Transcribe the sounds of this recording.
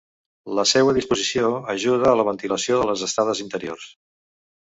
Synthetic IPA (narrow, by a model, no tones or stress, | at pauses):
ləsewəðispuzisioəʒuð̞əːləβ̞ənt̪iləsioðələzəst̪aðəzint̪əɾio̰rs